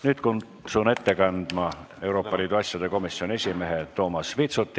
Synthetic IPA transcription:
nyːt̪kun | sune̞t̪ːe̞kɑnd̪̥mɑ | e̞uɾo̞ːpːˑɑlʲiːd̪uɑsʲjɑd̪̥e̞ko̞misːio̞nʲie̞sʲime̞ɦet̪ːo̞ːmɑsvit̪sut̪ˑːi

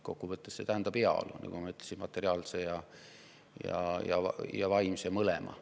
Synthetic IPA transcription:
ko̞kːuvɤt̪ːˑesːe̞t̪æɦænd̪ɑb̥eɑ̰lṵnɑ̰kumɑyt̪ːˑlesinmɑt̪ːˑe̞ɾiɑːlsejɑ | jɑ̰jɑjɑvɑjmsjɑmɤlemʔɑ̰

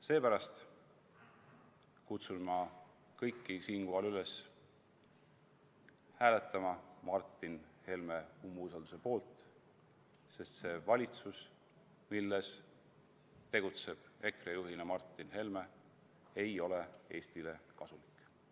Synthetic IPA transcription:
se̞ːpæɾɑst̪ | kut̪sunmɑ | kɤjkːisiːnkuɦɑlyle̞s | hæːlet̪ːˑɑmɑmɑrt̪ːˑinhe̞lme̞umːuːs̬ɑld̪use̞po̞ːlt̪ˑ | se̞st̪se̞vɑlʲit̪sus | milːes | t̪e̞ɡ̥ut̪se̞b̥e̞krejuɦinemɑrt̪ˑːinhe̞lme | e̞jo̞le̞e̞ːst̪ile̞kɑsulikːˑ

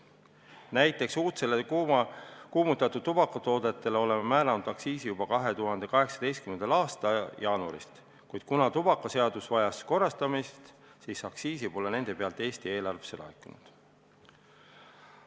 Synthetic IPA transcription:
næjt̪ːˑe̞ksuːt̪sele | kuːmut̪ːˑɑt̪ːˑud̪̥̚t̪ːubɑkːˑɑt̪o̞ːd̪̥et̪ːˑe̞leo̞le̞memæːlɑnud̪̥ɑksiːsijub̥ɑkɑɦe̞t̪uɦɑnd̪̥e̞kɑɦe̞ksɑ̥d̪e̞jst̪kyme̞nd̪̥ɑlɑːst̪ɑjɑːnuɑ̰ɾḭst̪ | kujd̪̥kunɑt̪ubɑkːˑɑse̞ɑd̪̥usvɑjɑsko̞rːɑst̪ɑmist̪ | siːsɑksiːsipo̞le̞ne̞nd̪̥e̞pe̞ɑlt̪ːˑe̞ːst̪ie̞ːlɑrvese̞lɑ̰ekːˑunṵd̪̥

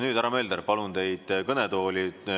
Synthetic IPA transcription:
nyːd̪æɾɑme̞ːld̪eɾpɑlunt̪e̞jd̪̥kɤnet̪o̞ːlʲi

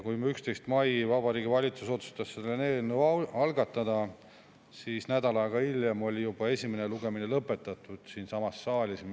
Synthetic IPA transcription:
kujmeykst̪e̞jst̪mɑjvɑbɑɾiːɡivɑlʲit̪suso̞t̪su̥st̪ɑsːelːeneːnuɑlɡ̥ɑt̪ːˑɑd̪̥ɑ | siːsnæd̪ɑlɑeɡ̥ɑiljemo̞lʲijub̥ɑe̞sʲimeneluɡ̥e̞mine̞lɤpːˑe̞t̪ːˑɑt̪ːˑud̪̥siːnsɑmɑsːɑːlʲisem

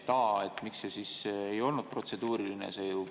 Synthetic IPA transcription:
t̪ɑːet̪miksesisejo̞lnud̪̥̚pro̞t̪se̞d̪uːɾilinḛseju

